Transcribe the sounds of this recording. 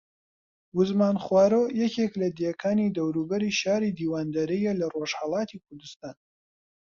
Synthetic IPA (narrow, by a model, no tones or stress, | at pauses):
wʊzmaːnχwaːɾojɛkeklɐd̪ekʰaːnid̪ɐwɾubɐɾiʃaːɾid̪iːwaːnd̪aɾijɛlɐroʒ̥hɑlˠɑːt̪ʰikʰʊɾd̪ɨst̪aːn